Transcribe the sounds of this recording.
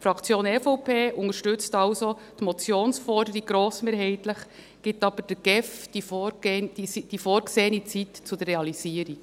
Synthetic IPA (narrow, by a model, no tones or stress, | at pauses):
fɾɑkt͡sjoːnɛfoʊpʰeːʔʊŋəʃtʏt͡stɑʊso | tmɔt͡sjoːnsfɔɾdəɾiɡ̚ɡɾoːsmeːɾɦɛɪtləχ | ɡ̥ɪtɑb̥əɾd̥əɡ̥ɛfd̥ifo̥isid̥ifoːɾɡseːənit͡sitt͡sud̥ərːeɑliziːəɾik